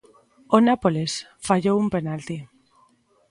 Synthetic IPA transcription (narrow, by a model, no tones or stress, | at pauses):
onapoles | faʝoumpe̞nalt̪i